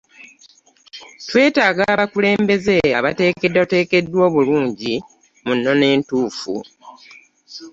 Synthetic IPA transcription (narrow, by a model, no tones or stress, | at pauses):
twe̞ːtaːɡaβakule̞ːmbe̞ze̞aβate̞ːke̞dːate̞ːke̞dːwo̞ːβuluːɲɟi | munːo̞ne̞ːntuːfṵ